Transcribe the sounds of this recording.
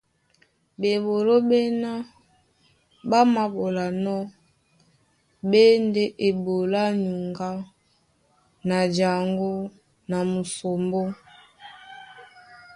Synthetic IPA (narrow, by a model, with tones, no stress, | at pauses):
be˨bo˨lo˦be˦na˦ | ba˦ma˨bo˨la˨nɔ˦ | be˦nde˦ʔe˨bo˨la˦ɲu˨ŋɡa˦ | na˨d͡ʒa˨ŋɡo˦ | na˨mu˨so˨mbo˦